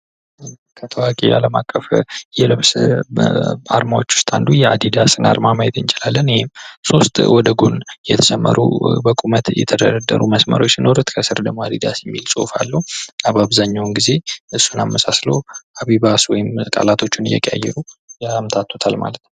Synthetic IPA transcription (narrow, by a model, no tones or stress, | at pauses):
kʰət̪ʰəwakʼḛa̰ləmakʼːəfjɛlɨβs | a̰ɾmawot͡ʃːwʊ̥st̪ʼa̰nd̪ujɛad̪id̪asɨna̰ɾmaməjɛt̪ʰɨnt͡ʃʼɪlalːənhemso̞st̪ʼwɔd̪əɡunjɛt̪ʰəsɛmːə̰ɾʔṵbəkʼumət̪jɛ̰t̪ʰəd̪əɾad̪əɾuməsmə̰ɾo̞t͡ʃːsino̞ɾut̪kʰəsɨɾd̪əmːoad̪id̪asjɛmːilsʼo̰falːəuaβaβzaɲːawnɡize̞ʔɨsːunamːəsasləaβiβaswɔjɪmkʼa̰lat̪ʰo̞t͡ʃːunɨjɛ̰kʼa̰jːɛ̰ɾumt̪ʰat̪ʰːot̪ʰalma̰lət̪nə